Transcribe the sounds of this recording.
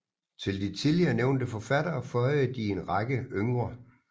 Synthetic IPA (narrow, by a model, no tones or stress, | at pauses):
t͡sʰe̝ld̥it͡sʰiliɐːneʊnd̥əfɒ̽fæd̥ɐːfɒɪð̩ˠd̥ie̝nʁɑɡ̥əøŋʁɐ